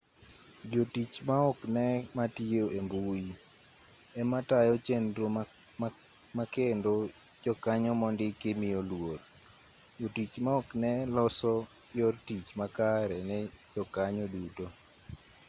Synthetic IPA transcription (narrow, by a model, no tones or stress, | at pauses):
d͡ʒotit͡ʃmaɔknɛmatioʔembui | ɛmatajɔt͡ʃendɾo | makendo | d͡ʒɔkaɲɔmɔndɪkemijolwot | d͡ʒotit͡ʃmaɔknɛlɔsɔ | jɔrtit͡ʃmakaɾɛnɛd͡ʒɔkaɲɔduto